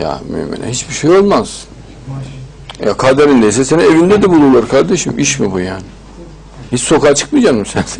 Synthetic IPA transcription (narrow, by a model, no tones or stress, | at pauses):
ja̰my̰ɛ̰mːḛnæ̰nhit͡ʃbiʃejo̞lˠmaz̥ | ja̰kʰad̪eɾind̪ejs̬ɛsenievind̪ɛd̪ɛbulˠulˠaɾkʰaɾd̪eʃimiʃmibujaːnɪ | hit͡ʃso̞kaːt͡ʃʰɯ̥kmijd͡ʒaːmmisæn